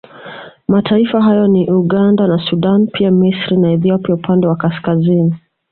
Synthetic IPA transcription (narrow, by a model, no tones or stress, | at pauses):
matʰaifaɦajɔniʔuɠandanasuɗanpʰiamisɾinaɛθiɔpiaupʰandɛwakaskazini